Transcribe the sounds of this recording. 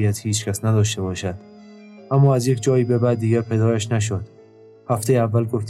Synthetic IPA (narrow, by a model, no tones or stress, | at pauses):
jæt̪hiːt͡ʃcʰæsnæd̪ɒːʃt̪ebɒːʃæd̪̥ | ʔæmːɒːæzjekʰd͡ʒɒːjiːbebæd̪ːiːɡʲæɾpʰe̞d̪ɒːɾæʃnæʃ̬od̪̥ | hæft̪ʰejeævːælɡoft̪